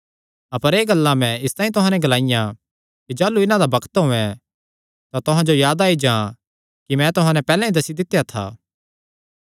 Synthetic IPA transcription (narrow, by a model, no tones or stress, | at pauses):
ɐpəɾeːɡɐlːamɛ̃ɪst̪aːĩt̪ʊɦãnɛɡɐlaːɪjã | kid͡ʒaːluɪnãd̪abɐkə̥t̪ɦʊɛ̃ | t̪at̪ʊɦãd͡ʒojaːd̪aːid͡ʒã | kimɛ̃t̪ʊɦãnɛpɛːlãĩd̪ɐsid̪ɪt̪ːjat̪ʰa̰ː